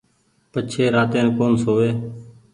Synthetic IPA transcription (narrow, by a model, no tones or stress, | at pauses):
pət͡ʃʰeːɾaːt̪ẽːnkoːnsoːʋeː